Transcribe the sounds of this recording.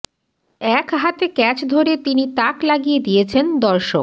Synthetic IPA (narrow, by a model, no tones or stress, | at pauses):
ɛkɦat̪ekɛt͡ɕd̪ʱoɾet̪init̪aklaɡijed̪ijet͡ɕʰend̪ɔɾʃo̰k